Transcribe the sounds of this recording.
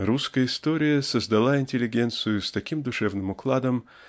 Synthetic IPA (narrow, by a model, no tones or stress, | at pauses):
ɾuskəjəɪst̪o̞ɾʲɪjəsəzd̪ɐlˠaɪnʲtʲɪlʲɪɡʲe̞nt̪sɨjʊst̪ɐkʲimd̪ʊʂɛvnɨmʊklˠad̪əm